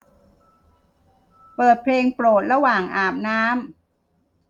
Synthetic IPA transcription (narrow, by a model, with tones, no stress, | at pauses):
pɤː˨˩t̪̚pʰleː˧ŋpɾoː˨˩t̪̚ɾa˧waː˨˩ŋʔaː˨˩p̚naː˦˥m